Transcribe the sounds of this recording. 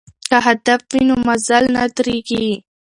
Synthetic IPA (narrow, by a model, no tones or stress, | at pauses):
kaɦad̪afwinumazalnat̪ɾiɡi